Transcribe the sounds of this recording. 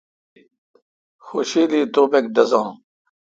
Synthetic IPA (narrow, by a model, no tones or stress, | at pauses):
xoɕiːliːt̪oːbek̚d̪ɐzãː